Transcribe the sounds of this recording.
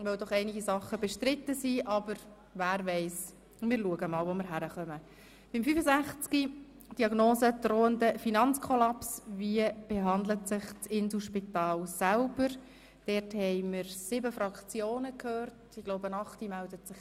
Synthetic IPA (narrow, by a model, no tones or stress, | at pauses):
ʋœʊdɔχɛɪnɪɡisɑχəbɛʃtɾɪt̪ːəsiʔɑbəɾ | væːɾʋɛɪs | mɪːɾluəɡəmɑːlʋoməɾɦæɾəχœmə | b̥ɪmfyfəzæχt͡ski | d̥iɑɡnoːsəd̥roːəndəfinɑnt͡skʰɔlɑpsʋiəb̥eɦɑndlətsɪχt͡sɪns̩ʃpitɑːlsælbəɾ | d̥ɛɾthɛɪməɾsɪbəfrɑkt͡sjoːnəkʰhøːrtɪɡ̥loʊbənɑχtimældətsɪχ